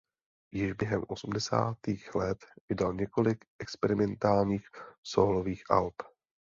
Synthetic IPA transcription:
jɪʒbjɛɦɛmʔosumdɛsa̰ːt̪iːxlɛt̪vɪdalɲɛko̞lɪkʔɛkspɛɾɪmɛnt̪aːlɲiːxsoːlo̞viːxʔa̰lp

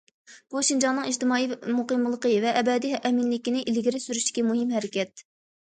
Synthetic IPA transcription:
b̥uʃind͡ʒɑnɨŋid͡ʒt̪ɪmɑːimuqəmlˠəqəvɛʔɛbɛd̪iɛminlɪkʲinɪʔilɡʲiɾɪsyɾyʃd̪ɪ̥kʲimuɦɪmɦɛɾɪkʲɛt̪̚

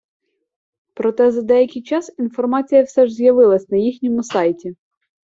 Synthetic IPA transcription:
pɾɔt̪ɛzɐd̪ɛjɐkʲɪjt͡ʃɑsinfɔrmɑt͡sʲijɐwsɛʒzʲjɐʋɪlˠɐsʲnɐjixnʲɔmʊsɑjtʲi

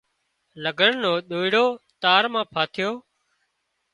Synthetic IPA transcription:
ləɡʱəɳnoːɗ̪oːɪɽoːt̪aːɾmãːpʰaːt̪ʰɪjoː

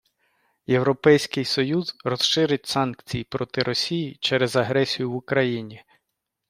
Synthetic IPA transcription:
je̞wɾɔpɛjsʲkɪjsɔjuzrɔsʃɪɾɪtʲsɑnk̚t͡sʲijipɾɔt̪ɪɾʔɔsʲijit͡ʃɛɾɛzɐɦɾɛsʲijʊʋʊkɾɐjinʲi

